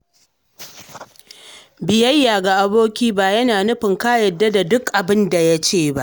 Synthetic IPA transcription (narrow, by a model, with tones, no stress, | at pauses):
bɪ˨jɐ˦jːaː˨ɡa˨ʔa˦boː˦kʲiː˦baː˦˨jɐ˦naː˨nʊ˦ɸɪ˨ŋkaː˦jɐ˨dːa˦da˨dʊ˦kʔa˨bɪ˦nda˨ja˦t͡ʃeː˦˨ba̰˦ʔ